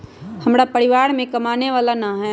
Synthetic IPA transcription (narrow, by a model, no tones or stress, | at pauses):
həmɾapəɾɪʋaːɾmẽkəmaːneʋaːlanaɦɛ